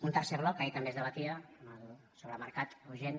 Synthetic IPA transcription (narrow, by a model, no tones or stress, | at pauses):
unt̪əɾseβlɔkːejt̪əmbezðəβ̞ət̪iəməlˠ | soβɾəməɾkat̪uʒen